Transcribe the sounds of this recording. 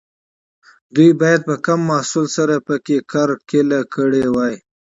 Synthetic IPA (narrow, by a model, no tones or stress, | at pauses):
d̪ujbɑjad̪̚pəkamːɑhsulsaɾapəkekɑɾkelakəɽewɑj